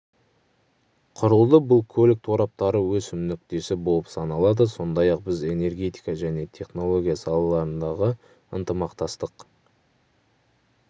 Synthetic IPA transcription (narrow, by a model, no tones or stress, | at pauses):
qʰʊɾəlˠd̪əbʊlˠkʲʰɵlɪk̚t̪ʰoɾɑp̚t̪ɑɾəwɵsɪmnʏk̚t̪e̞sɪbo̞lˠəpsɑnɑlˠɑd̪əso̞nd̪ɑjɑq̚bɪze̞ne̞rɡʲe̞t̪ijkɑʒæne̞t̪ʰe̞χno̞lˠo̞ɡʲijasɑlˠɑlˠɑɾənd̪ɑʁə | ənt̪əmɑqt̪ɑst̪əq